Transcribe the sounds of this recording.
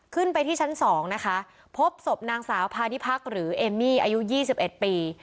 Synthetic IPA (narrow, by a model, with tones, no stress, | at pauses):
kʰɯ˥˩npa˧jt̪ʰiː˥˩t͡ɕʰa˦˥nsɔː˩˦ŋna˦˥kʰa˦˥ | pʰo˦˥p̚so˨˩p̚naː˧ŋsaː˩˦wpʰaː˧ni˦˥pʰa˦˥˩k̚ɾɯː˩˦ʔeː˧mːiː˥˩ʔa̰ː˧ju˦˥jiː˥˩si˨˩p̚ʔe˨˩t̪̚piː˧